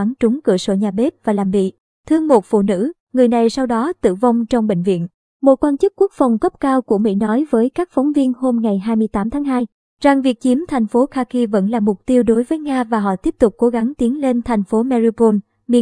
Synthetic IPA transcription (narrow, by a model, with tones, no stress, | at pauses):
a˨˦nt͡ɕʊ˨˦ŋ͡mkɨ̰˧˩əso̰˧˩ɲaː˨˩ɓe˦˥t̚vaː˨˩laː˨˩mvḭ˧˨ | t̪ʰɨ˧əŋmo˨˩t̚fṵ˧˨nɨ̰˧˥ | ŋɨ˨˩əjna˨˩jsa˧wɗɔ˨˦t̪ɨ̰˧˨va˧wŋ͡mt͡ɕɔ˧wŋ͡mɓḛ˧˨ŋ̟vḭ˧˨ən | mo˨˩t̚kwaː˧nt͡ɕɨ˦˥k̚kːu˦˥ək̚fa˨˩wŋ͡mɣə˦˥p̚kaː˧wku˧˩əmḭ˧˥nɔ˨˦jvəː˨˦jkaː˦˥k̚fɔ˨˦wŋ͡mvi˧ənho˧mŋa˨˩jɦaː˧jmɨ˧əjt̪aː˨˦mt̪ʰaː˨˦ŋɦaː˧j | za˨˩ŋvi˨˩ək̚t͡ɕi˨˦əmt̪ʰa˨˩jŋ̟fo˨˦xaː˧ki˧və̰˧˥nlaː˨˩mʊ˨˩k͡p̚t̪i˧əwɗo˨˦jvəː˨˦jŋaː˧vaː˨˩ɦɔ̰˧˨t̪i˦˥əp̚t̪ʊ˨˩k͡p̚kːo˨˦ɣa˨˦ŋt̪i˨˦ənle˧nt̪ʰa˨˩jŋ̟fo˨˦mɛ˧zi˧po˧n | mḭ˧˥